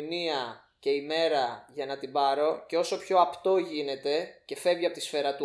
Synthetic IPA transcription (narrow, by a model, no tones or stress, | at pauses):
niɐ | ce̞ime̞ɾɐʝɐnɐt̪ibɐɾo̞ce̞o̞so̞pço̞ɐpt̪o̞ʝine̞t̪e̞ce̞fe̞vʝiɐpo̞t̪isfe̞ɾɐt̪u